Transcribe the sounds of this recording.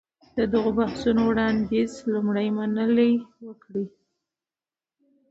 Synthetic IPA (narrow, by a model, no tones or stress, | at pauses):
d̪̥əd̪əɣobahsunowɽɑnd̪izlumɽajmanəlewəkɽi